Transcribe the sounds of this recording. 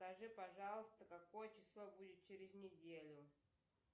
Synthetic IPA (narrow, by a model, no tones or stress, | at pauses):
skɐʐɨpɐʐɑlˠəst̪əkɐkojət͡ɕɪslˠobudʲɪt̪̚t͡ɕeɾʲɪznʲɪdʲelʲʊ